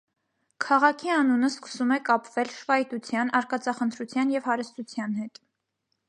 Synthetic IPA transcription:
kʰɑʁɑkʰiɑnunəskə̥sumɛkɑpvɛlʃvɑjt̪ut͡sʰjɑnɑɾkɑt͡sɑχənt̪ʰɾut͡sʰjɑnjɛvhɑɾəst̪ut͡sʰjɑnhɛt̪

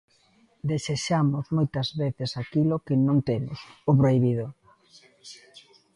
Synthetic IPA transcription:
d̪eseʃamʊzmojt̪ɐzβeθesakilokɪnõŋt̪emʊ̰sopɾoiβ̞iðo

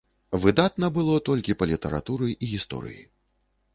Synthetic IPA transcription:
vɨd̪at̪nɐbɨlˠɔt̪ɔlʲkʲipɐlʲit̪ɐɾa̰t̪uɾɨʔiɣʲist̪ɔ̰ɾɨ̰jḭ

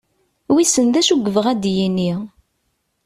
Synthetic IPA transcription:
wisənðæʃuɡəvəʁæd̪jini

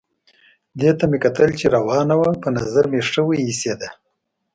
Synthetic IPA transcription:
d̪et̪amekat̪əlt͡ʃeɾawɑnawapənazaɾmeʂəwəised̪a

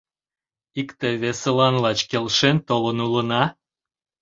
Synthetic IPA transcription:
ikt̪eβesəlɑnlɑt͡ɕkelʃent̪olənulənɑ

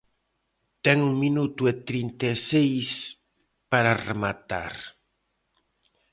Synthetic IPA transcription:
t̪ɛŋuŋminut̪uet̪ɾint̪esejs | paɾaremat̪a̰ɾ

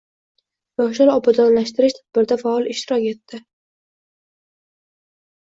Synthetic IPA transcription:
vaʊʃ̬aɾɒbad̪ɒnlaʃt̪ɪɾɪʃt̪ʰad̪̥̚bɪɾd̪afaɒlˠɪʃt̪ɪɾɒkʲe̞t̪ːɪ

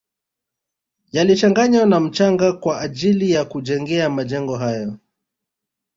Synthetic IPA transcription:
jalit͡ʃaŋɡaɲwanam̩t͡ʃaŋɡakwaːʄilijakuʄɛŋɡɛamaʄɛŋɡɔɦajɔ

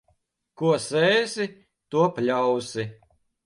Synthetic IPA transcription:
kuɔsɛːjsi | t̪uɔpʲlʲawsi

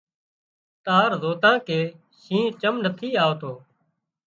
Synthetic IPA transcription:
t̪aːɾzoːt̪ãːkeː | sĩːt͡ʃəmnət̪ʰiːaːot̪oː

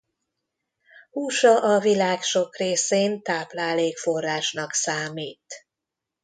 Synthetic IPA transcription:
huːʃɒʔɒvilaːkʃo̞kreːseːnt̪aːplaːleːkfo̞rːaːʃnɒksaːmiːt̪

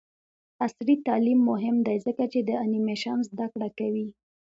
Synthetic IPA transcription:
asɾit̪ɑlimːʊɦɪmd̪ajzəkat͡ʃed̪əanimeʃɑnzd̪akɽakawi

